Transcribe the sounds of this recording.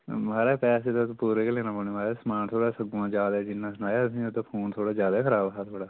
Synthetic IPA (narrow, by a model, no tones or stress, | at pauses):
maːɾeːpɛːseːt̪apuːɾeːkeleːnãːpəneːmaːɾesəmaːnt̪ʰoːɽaːsəɡãːd͡ʒaːd̪aːd͡ʒɪnːãːsʊnaːjaːsĩːot̪aːpʰoːnt̪ʰoːɽaːd͡ʒjaːd̪aːkʰəɾaːbɦaːt̪ʰoːɽaː